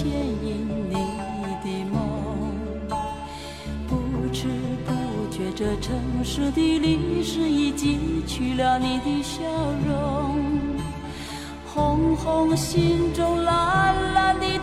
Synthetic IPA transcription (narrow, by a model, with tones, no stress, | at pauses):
jɛ˥˧ni˧˩nni˨˩˦t̪i˧˩mɑ˧˩ŋ | pu˧˩ʈ͡ʂɻ̩˥˩pu˥˧t͡ɕɥɛ˧˥ʈ͡ʂə˧ʈ͡ʂʰɤ˧ŋʂɻ̩˥˧t̪i˧li˧˥ʂɻ̩˥˧i˧˩t͡ɕi˧˥t͡ɕʰy˧˩ljɑ˧˩ʊni˧˩t̪i˧ɕjɑ˥˧˩ʊɻo˧ŋ | xʊ˧˥ŋxʊ˧ŋɕi˥˧nʈ͡ʂʊ˥ŋla˧˥la˧ni˧˩